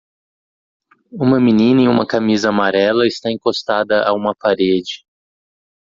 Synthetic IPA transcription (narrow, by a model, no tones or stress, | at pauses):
ũmɐminĩnɐĩũmɐkamizɐamaɾɛlɐɪst̪aẽŋkost̪ad̪ɐʔa̰ũmɐpaɾed͡ʒɪ